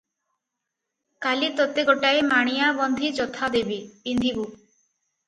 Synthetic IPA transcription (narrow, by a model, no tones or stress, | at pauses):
kalit̪ot̪eɡoʈaemaɽ̃ijabɔnd̪ʱid͡ʒɔt̪ʰad̪ebipind̪ʱibu